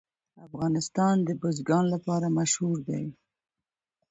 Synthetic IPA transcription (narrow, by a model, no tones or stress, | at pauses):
afɣɑnɪst̪ɑnd̪əbʊzɡɑnlapɑɾamaʃhuɾd̪a̰j